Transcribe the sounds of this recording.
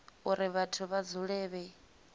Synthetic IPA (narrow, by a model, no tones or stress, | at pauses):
uɾiβatʰuβad͡zuɺɛːβɛ